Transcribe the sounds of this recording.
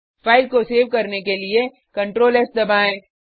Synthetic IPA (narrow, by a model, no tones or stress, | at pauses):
fʰaːɪl̚koseːʋkɐɾnekelie | kɐ̃ɳʈɾoːlɛsd̪ɐbaːẽː